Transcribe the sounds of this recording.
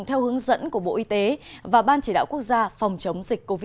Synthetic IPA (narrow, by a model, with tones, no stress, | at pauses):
ŋt̪ʰɛ˧whɨ˨˦əŋzə̰˧˥nku˧˩əɓo̰˧˨ʔi˧t̪e˨˦vaː˨˩ɓaː˧nt͡ɕi˧˩ɗa̰ː˧˨wku˦˥ək̚zaː˧fa˨˩wŋ͡mt͡ɕə˨˦wŋ͡mzï˨˩k̟̚ko˧vi˦